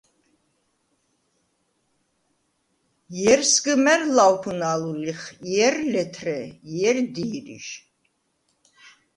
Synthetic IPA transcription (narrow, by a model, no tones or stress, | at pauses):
jɛɾsɡəmɛɾlawpʰunaluliχjɛɾlɛt̪ʰrɛjɛɾd̪iːɾḭʃ